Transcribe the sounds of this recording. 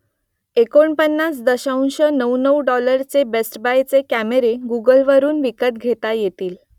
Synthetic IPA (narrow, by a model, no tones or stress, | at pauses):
ekoɳpənːat͡sd̪əɕaunɕənəwnəwɖɔləɾt͡sebesʈbajt͡sekæmeɾeɡuɡəlʋəɾuːnʋikəʈ̪̚ɡʱet̪ajet̪iːl